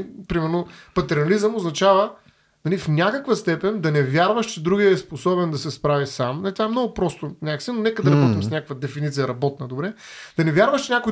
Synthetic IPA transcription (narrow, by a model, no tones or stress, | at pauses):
pɾimɛɾnopɐt̪ɛɾnɐlizəmoznɐt͡ʃavə | nɐlifnʲakəkvəst̪ɛpɛnʲd̪ɐnɛvʲjaɾvəʃt͡ʃɛd̪ɾuɡiəɛsposɔbɛnd̪ɐsɛspɾavisamnɐlit̪vaɛmnɔɡʊpɾɔst̪onʲakəksɛnonɛkəd̪ɐɾɐbɔt̪imsnʲakəkvəd̪ɛfinit̪sijəɾɐbɔt̪̚nəd̪obɾɛd̪̥ɐnɛvʲjaɾvəʃt͡ʃɛnʲakʊj